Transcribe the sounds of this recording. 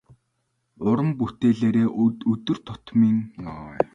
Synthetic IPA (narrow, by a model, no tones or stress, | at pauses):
ʊɾə̆mput̪eːɮeːɾeːʔtɵt̪ɵ̆rt̪ʰʊt̪miːŋnɔʁɔ